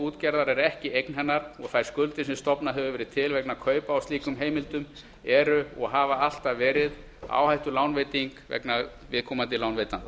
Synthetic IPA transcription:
uːt̪cɛɾðaɾɛɾɛhcɪejknɦɛnːaɾɔɣθajɾ̥skʏlt̪ɪsɛmst̪ɔpnaɦɛvʏvɛːɾɪðt̪ʰɪlvɛknakʰœːɥpaawst̪liːkʏmɦeːjmɪlt̪ʏm | ɛɾʏɔɣɦavaal̥t̪avɛːɾɪð | a̰ːwhajht̪ʏlaːwnvejt̪iŋkvɛ̰knavɪðkʰɔːmant̪ɪlaːwnveːjt̪an

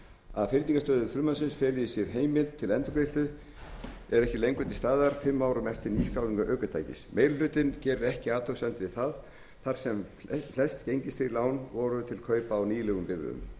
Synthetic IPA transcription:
a̰ðfɪɾt̪niŋkast̪œːðʏfɾʏmansɪnsfɛːlɪɪsjɛɾ̥ɦeːjmɪlt̪ʰːɪlɛnt̪ʏkɾejst̪ʏ | ɛɾɛhcɪlejŋkʏt̪ɪst̪aːðaɾ̥fɪmːawɾʏmɛft̪ɪɾniːskɾawniŋkaʔœːkʏt̪ʰa̰jcɪ̰smeːjllʏːt̪ɪncɛːɾʏɾɛhcɪaːt̪ʰowsɛnt̪ɪvɪðθað | θar̥sɛm | flɛst̪cejɲcɪst̪ilaːwnvɔɾʏt̪ʰɪlkʰœːɥpaːwniːlɛɣʏmpɪðɾʏ̰ʏ̰m

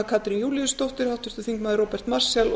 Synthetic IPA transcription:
kʰaːt̪ɾinjuːliʏst̪owht̪ɪɾ̥hawht̪ʏɾ̥t̪ʏθiŋkmaːðɪɾroːpɛɾ̥t̪marsjɛl

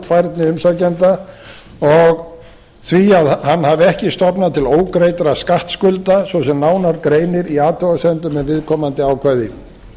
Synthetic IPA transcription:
t̪fajɾt̪nɪʏmsacɛnt̪a | ɔɣ | θviaðhanːhavɛhcɪst̪ɔpnat̪ʰɪloːwkɾejt̪aɾaskaht̪skʏlt̪asvɔsɛmnaːwnaɾkɾeːjnɪɾiaːt̪ʰɔwasɛnt̪ʏmɛnvɪðkʰɔːmant̪ɪaːwkʰvɛðɪn

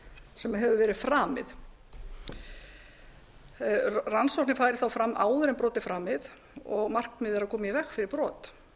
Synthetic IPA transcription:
sɛmɦɛvʏvɛːɾɪð̥fɾaːmɪ̰ð | ransɔwh̪t̪nɪfaːjɾɪθawfɾamːʔa̰ːwðʏɾɛmpɾɔːt̪ɪfɾaːmɪð | ɔɣmar̥kmɪːðɪɾaðkʰɔːmɪjvɛxkfɪɾɪɾpɾɔːt̪

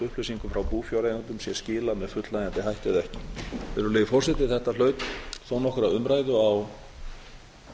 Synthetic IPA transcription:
ʏhpleɥsiŋkʏmfɾawpuːfjɔwɾejnant̪ʏmsjɛ̥scɪːlamɛðfʏt̪lajant̪ɪɦajht̪ɪðɛhcɪ̥vɛɾʏleːjfɔr̥sɛt̪ɪθɛht̪al̥œːɥp̪θownɔhkʏɾaðʏmɾajðʏaw

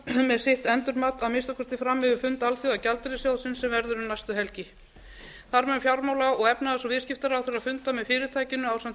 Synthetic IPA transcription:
mɛðsɪht̪ɛnt̪ʏɾmat̪aðmɪst̪akʰɔst̪ɪfɾamːɪðʏfʏnt̪alθjɔðacalt̪ɪɾɪsjaːwsɪnsɛmvɛɾðʏɾʏmnajst̪ʏɦɛlcɪ | θaɾmɛfjawɾmawlaɔɣɛpnaðasɔvɪðscɪft̪aɾawθɛɾaðfʏnt̪amɛðfɪːɾɪt̪ʰaːjcɪnːʏawsamt̪

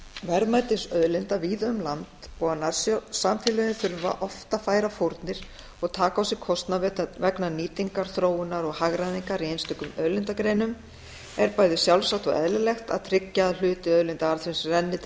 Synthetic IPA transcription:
vɛɾmajt̪ɪsœðlɪnt̪aviːðœmlant̪poːanḁssamfjɪlʏnɪθʏɾva̰ʔɔft̪afaːjɾafoɾt̪nɪɾ̥ | ɔɣt̪ʰaːkawsɪɣkʰɔst̪navɛt̪avɛknaniːt̪iŋkaɾ̥θɾoːwɪnːaɾɔɣhaɣɾajðiŋkaɾiejnst̪ʏkʏmœðlɪnt̪akɾeːjnʏm | ɛɾpaːjðɪsjawlsaxt̪ɔ̰ɣʔɛ̰ðlɪlɛxt̪a̰ðt̪ʰɾɪcːaːðl̥ʏːt̪ɪœðlɪnt̪aaɾθvɪnsrɛnːɪ

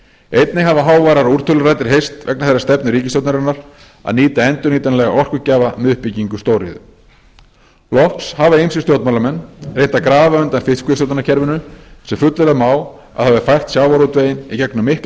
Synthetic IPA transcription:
ejt̪nɪɦavaɦaːwvajɾaɾuɾ̥t̪ʰʏlʏɾajt̪ɪɾ̥ɦejst̪vɛknaθerːḁst̪ɛpnʏɾiːcɪsowt̪naɾɪnaɾ̥ | a̰ðniːt̪aɛnt̪ʏɾniːt̪anlɛɣaɔr̥kʏcaːvamɛʏhpɪciŋkʏst̪owɾɪ̰ðʏ̰ | lɔfpshavaejmsɪst̪jowt̪malamɛnːrejnt̪akɾaːvaœnt̪anfɪht̪skʏs̬owt̪nanḁcʰɛɾvʏnʏsɛmfʏt̪lɛɾamaːw | a̰ðhavɪfajr̥t̪sjaːwvaɾut̪veːjɪnicɛknʏmɪhp

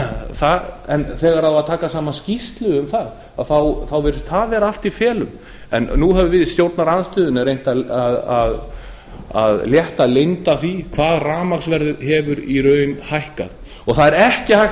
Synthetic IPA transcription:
θaɛnθɛːɣaɾaðaðt̪ʰaːkasaːmanscist̪lʏʏmθað | aðθawθawvɛɾʏθaðvɛɾal̥t̪ifjɛːlʏm | ɛ̰nːuɦɛvʏvɪðst̪jowɾt̪naɾaðanst̪ʏːðʏnʏɾejn̥t̪aaðað | a̰ðljɛht̪alejnt̪aθikʰvaːðraːmaksvɛɾðʏhɛːvʏɾiɾœːɥnhajhka̰ð | ɔɣθaðɛɾɛhcɪhaj

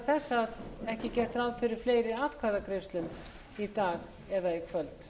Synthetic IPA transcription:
θɛsːaðɛhcɪcɛr̥t̪ɾawðfɪɾɪɾ̥fleːjɾɪaːt̪kʰvaðakʰɾɪst̪lʏm | it̪aːɣ | ɛðaikʰvœlt̪

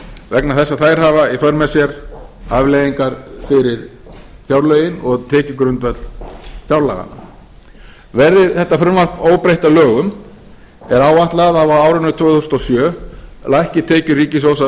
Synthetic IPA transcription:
vɛknaθɛsːaθaːjɾ̥haːvaiθœɾmɛsjɛɾavlejðiŋkaɾfɪɾɪɾ | θjawɾlœɥjɪnɔɣt̪ʰɛːcʏkɾʏnt̪vɛt̪l̥θjawɾla̰ɣa̰na̰ | vɛɾðɪθɛht̪afɾʏmvaɾpoːwpɾejht̪alœːɣʏm | ɛɾaːwaht̪laɣaðavawaːwɾʏnːʏt̪ʰvœːθust̪ɔsjœːlaɛhcɪt̪ʰeːcʏriːcɪsoːwsa

